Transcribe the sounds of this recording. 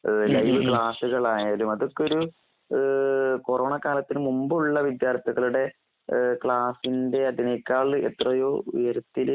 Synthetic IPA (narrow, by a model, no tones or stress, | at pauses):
lɐjʋɨkɭaːsuɣɐɭaːjaːlumɐðokːo̞ɾu | ko̞ro̞ːɳɐkaːlɐt̪ːinɨmumbɨuɭːɐʋid̪jaːrt̪ʰiɣɐɭuɽe̞ | kɭaːsinde̞ɐðinejkʲːaːɭɨe̞̰t̪rɐjo̞ːṵjɐɾɐt̪ːil